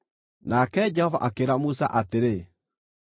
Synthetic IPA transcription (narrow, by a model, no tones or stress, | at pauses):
nakɛd͡ʒɛhɔva̰ʔakeɾamusa̰ʔateɾe